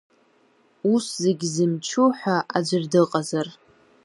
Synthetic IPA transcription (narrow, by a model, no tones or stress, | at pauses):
uszeɡʲzɨmt͡ʃʰuħʷᶣaʔad͡ʒʷɪrdɨqʼazar